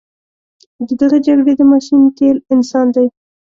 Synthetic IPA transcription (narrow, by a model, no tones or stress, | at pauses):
d̪əd̪əɣed͡ʒaɡɽed̪əmɑʃint̪elɪnsɑnd̪aj